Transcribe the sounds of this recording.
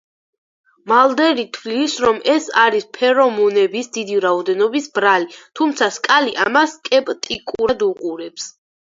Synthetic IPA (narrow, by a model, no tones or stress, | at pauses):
malˠd̪ɛɾit̪ʰwlisɾɔmʔɛsaɾispʰɛɾɔmɔnɛbisd̪id̪iɾaɔd̪ɛnɔbisbɾalit̪ʰumt̪sʰaskʼaliʔamaskʼɛpʼt̪ʼikʼuɾad̪uqʼuɾɛps